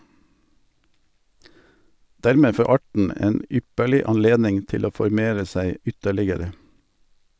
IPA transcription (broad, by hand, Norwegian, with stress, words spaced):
ˈdæɾˌmeː ˈfoː ˈɑʈɳ̩ ˈeːn ˈʏpəɭɪ ɑnˈleːdnɪŋ ˈtɪl ˈoː fɔɾˈmeːɾə ˈsæɪ ˈʏtəlɪɡəɾə